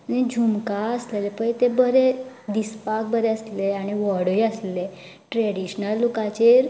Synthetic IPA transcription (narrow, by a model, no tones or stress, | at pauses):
añid͡ʑʱumkaəslelepə̃jt̪ebəɾed̪ispak̚bəɾeəsleaɽ̃iʋəɽəjəslle | ʈɾeɽiɕnəlːukat͡ɕeɾ